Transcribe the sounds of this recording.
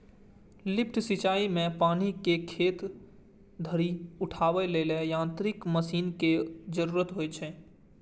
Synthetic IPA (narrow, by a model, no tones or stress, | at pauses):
lɪpʰʈsɪt͡ʃaːimẽpaːnikekʰeːt̪ | d̪ʱəɾiʊʈʰaːʋeleːlejãːnt̪ɾɪkməsiːnked͡ʒəɾuːɾət̪ɦoːet͡ʃʰeː